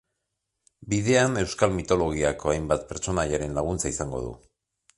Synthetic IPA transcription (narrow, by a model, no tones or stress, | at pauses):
biðe̞ane̞wskalmit̪o̞lo̞ɣ̞iakʰo̞ajmbat̪̚pe̞ɾt͡so̞naʎaɾe̞nlaɣ̞unt͡saisaŋɡo̞̰ð̞ṵ